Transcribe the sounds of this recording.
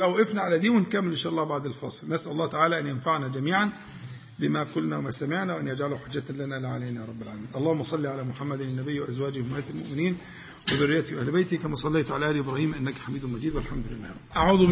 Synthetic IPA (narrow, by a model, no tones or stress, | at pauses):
ʔawʔɪfnaʕalæd̪iːwɪnkamːɪlʔɪnʃaːʔɑlːɑːhbaʕd̪alfɑ̰ːsˤɨlnasʔalʊlːɑːht̪aʕaːlaʔænjanfaʕnad͡ʒæmiːʕan | bɪmakʊlːnawamaːsamɪʕnawʔanjad͡ʒʕaluħʊd͡ʒːat̪lanalɪʕalajnaɾˤɑbːɪlʕa̰ːlamiːʔɑlˤːɑːhʊmːɑsˤɑlːiʕalaːmʊħamːad̪ɪnːæbɪjːwɪʔazwaːd͡ʒhʊmːaːt̪almʊ̰ʔmɪniːn | wɪðʊrːɪjat̪iwʔæhlbajt̪ikamaːsˤɑlːejt̪ʕalaʔæːlʔɪbɾˤɑːhiːmʔɪnːakħamiːd̪mːad͡ʒiːd̪wɪlħamd̪ʊlɪlːa̰ː | ʔaʕuːð